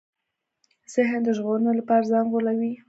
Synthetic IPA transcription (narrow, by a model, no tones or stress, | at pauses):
z̥ɪɦnd̪əʒɣoɾənolapɑɾazɑŋɡolawi